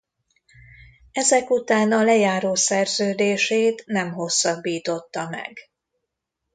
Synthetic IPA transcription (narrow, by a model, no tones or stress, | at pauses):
ɛzɛkut̪aːnɒlɛjaːɾoːsɛrzøːd̪eːʃeːt̪nɛmɦo̞sːɒbːiːt̪o̞t̪ːɒmɛ̰ɡ